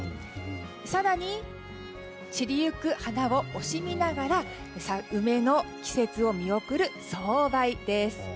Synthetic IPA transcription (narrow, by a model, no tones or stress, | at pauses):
saɾaɲ̟i | t͡ɕiɾʲijɯ̟kɯ̟hanao̞ʔoɕimʲinaɡaɾa | saɯ̟me̞no̞kʲi̥se̞t͡sɨo̞mʲio̞kɯ̟ɾɯ̟so̞ːbaid̪e̞sɨ̥